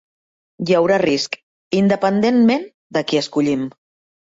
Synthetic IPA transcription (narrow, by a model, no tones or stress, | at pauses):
jəwɾarisk | ind̪əpənd̪enmen | d̪əkiəskuʎim